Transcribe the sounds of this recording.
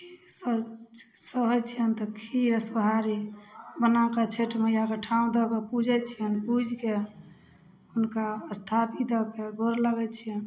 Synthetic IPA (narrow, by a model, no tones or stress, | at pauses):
kisə | səɦət͡ʃʰijənt̪ɔkʰiɾəsəɦaɾibənakat͡ʃʰeʈmejakeʈʰaũd̪ɔkepud͡ʒʱɛt͡ʃʰijənpud͡ʒʱke | unkaəst̪ʰapid̪ɔkeɡʱoɾləɡɛt͡ʃʰijən